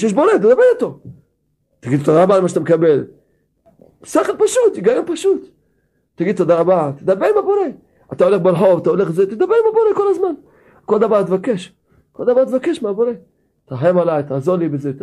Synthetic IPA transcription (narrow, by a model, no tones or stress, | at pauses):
jɛʃ̬bo̞ɾet̪ed̪abeʁit̪o̞ | t̪aɡid̪t̪od̪aʁabamaʃat̪amekabel | seχelpaʃut̪jiɡajonpaʃut̪ | tːaɡid̪̚t̪od̪aʁabat̪ed̪abeʁimabo̞ɾe | at̪aoleχbelħo̞vat̪aoleχzet̪ed̪abeʁimabo̞ɾekolazman | kold̪avaʁt̪vakeʃ | kold̪avaʁt̪vakeʃmeabo̞ʁe | t̪aɦajamalajt̪aːzoʁlibezet̪